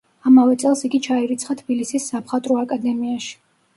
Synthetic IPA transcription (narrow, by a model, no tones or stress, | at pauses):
amavɛt̪sʼɛlˠsiɡit͡ʃʰaɛɾit̪sʰχat̪ʰbilisisːapχat̪ʼɾɔakʼad̪ɛmiaʃi̥